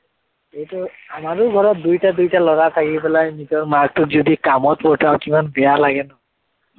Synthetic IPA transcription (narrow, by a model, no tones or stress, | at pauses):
ejtʊamaɹʊɡʱɔɹɔt̚dujtadujtalɔɡat̪ʰakipɛlajnitɔɹmaɡ̚tʊkzɔdikamɔtpɔtʰawkimanbɛjalaɡɛnɔ